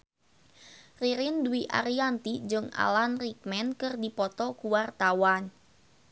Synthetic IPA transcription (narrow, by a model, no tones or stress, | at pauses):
riɾɪnduwiʔa̰ɾiant̪id͡ʒɨŋa̰lanrik̚mɛnkɨrdipɔt̪ɔkuwart̪awan